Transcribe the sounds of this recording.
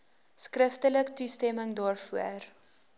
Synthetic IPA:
skrəftələktustɛməŋdɑːrfuər

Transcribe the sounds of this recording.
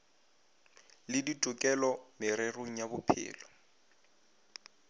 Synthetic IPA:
lɪditʼʊkʼɛlɔmɪɾeroŋ̩jabʊpʰɪ̰ːlɔ

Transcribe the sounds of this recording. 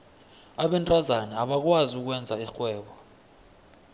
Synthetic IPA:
aɓɛntʼazanɛaɓak̬waziuk̬wɛnd͡zʱaixwɛːɓɔ

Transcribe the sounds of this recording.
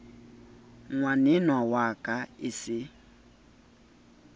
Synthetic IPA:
ŋwanɪnwawakʼaɪsɪ

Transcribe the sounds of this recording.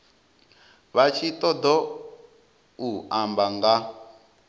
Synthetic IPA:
βat͡ʃʰit̪ɔd̪ɔ | uambaŋɡa

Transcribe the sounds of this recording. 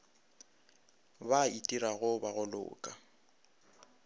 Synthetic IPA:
baitʼiɾaɣʊbaɣʊlʊ̰ːkʼa

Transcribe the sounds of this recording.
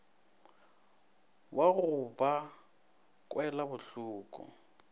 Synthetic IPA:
waɣʊba | kʼwɛlabʊɬuːkʼṵ

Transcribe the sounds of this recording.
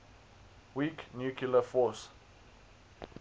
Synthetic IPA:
wiknjukʰulafɔs

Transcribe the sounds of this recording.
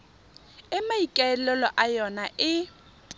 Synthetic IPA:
ɪmaikʼɛɛlɛlɔʔajɔnaʔɪ

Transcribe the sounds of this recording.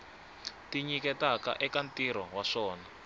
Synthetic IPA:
tiɲikɛtaka̰ʔɛkantiɾɔwaʂɔːna

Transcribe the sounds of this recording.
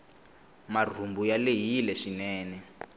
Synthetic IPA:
mar̤ʱumbujaleɦilɛʃinɛːnɛ

